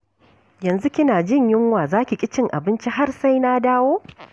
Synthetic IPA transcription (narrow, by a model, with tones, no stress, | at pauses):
jɐ˨nzu˦kʲɪ˦naː˨d͡ʒɪ˦ɲjɪ˦ŋwaː˨zaː˦kʲi˨kʲʼɪ˦t͡ʃɪ˦ŋʔa̰˨bɪ˦nt͡ʃi˦ɦa˦rsa˦jnaː˦daː˦woː˦